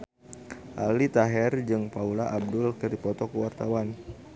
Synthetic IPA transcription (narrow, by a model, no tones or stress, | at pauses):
ʔalit̪aɦɛrd͡ʒɨŋpaulaʔab̚dʊlkɨrdipɔt̪ɔkəwart̪awan